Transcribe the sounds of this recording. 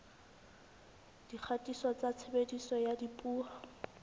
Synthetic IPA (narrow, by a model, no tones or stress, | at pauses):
d̥ik͡xʰatʼisɔt͡sat͡sʰebedisɔjadipʼuːa